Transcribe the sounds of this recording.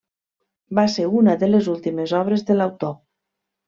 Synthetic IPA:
baseunəðəlezulˠt̪imezɔβ̞ɾezðəlawt̪o

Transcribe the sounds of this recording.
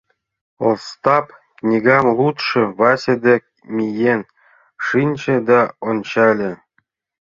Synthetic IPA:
olˠst̪ɑp | knʲiɡɑmlˠut̪ʂɤ̆vɑsʲĕd̪ʲek̚ | mʲijen | ʂɨnʲt͡ɕɘ̆d̪ɑonʲt͡ɕɑlʲɘ̆

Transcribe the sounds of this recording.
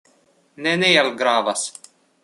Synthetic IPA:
nʲɛnʲɛjɛlʲˠɡɾɑːʋɐs

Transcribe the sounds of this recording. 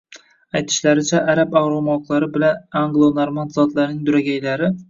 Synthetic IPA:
ajt̪ʰɪ̥ʃlaɾɪt͡ʃʰaʔaɾapawɾomɒqlˠaɾɪbɪlanaŋɡlˠonoɾmand̪zɒt̪laɾnɪŋd̪ʊɾaɡʲajlaɾɪ

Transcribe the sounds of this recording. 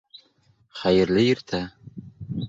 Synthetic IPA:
χæjɘ̆ɾlɘĭɾt̪ʰæ

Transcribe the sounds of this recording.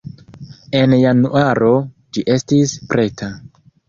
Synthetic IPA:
e̞njanuaɾo̞ | d͡ʒiʔe̞stispɾe̞tʰa

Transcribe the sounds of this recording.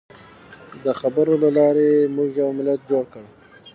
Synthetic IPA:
d̪əxabəɾolalɑɾemuɡjawmɪlat̪̚d͡ʒoɽkəɽ

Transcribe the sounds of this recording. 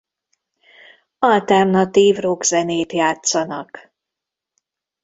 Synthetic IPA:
ɒlt̪ɛrnɒt̪iːvroɡzɛneːt̪jaːt̪sɒnɒk

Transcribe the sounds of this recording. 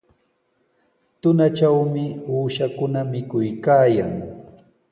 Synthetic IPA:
t̪ʊnat͡ʃawmɪuːʃakʊnamɪkʊjkaːjaŋ

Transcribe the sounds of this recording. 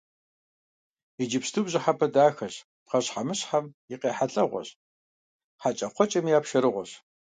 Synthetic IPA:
id͡ʒɪpstʰubʑɪħapʰɐdaːxɐɕ | tqɐɕħamɨɕħamjɪqeːħaɬʼɐʁʷɔ̰ɕ | ħat͡ʃʼɐqʷɔt͡ʃʼɐmjaːpʃɐɾɨʁʷɔ̰ɕ

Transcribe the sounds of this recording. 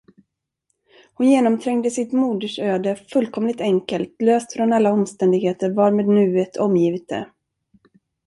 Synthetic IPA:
hʊnjeːnɔmt̪ʰɾɛŋd̪əsɪt̪muːd̪əʂøːd̪əfɵlkʰɔmlɪt̪ɛŋkəlt̪løːst̪fɾɔnalːaɔmst̪ɛnd̪ɪɡheːt̪əɾvɑɾmeːd̪nʉ̟ːet̪ʰɔmjiːvɪt̪̚d̪ɛ̰

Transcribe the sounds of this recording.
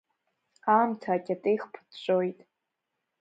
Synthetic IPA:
amtʰaːkʲʼatʼejχpʰɨ̥t͡ʃʷʼojtʼ

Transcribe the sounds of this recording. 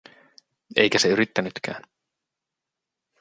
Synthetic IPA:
ḛjkæse̞yɾit̪ːænyt̪kæ̰ːn

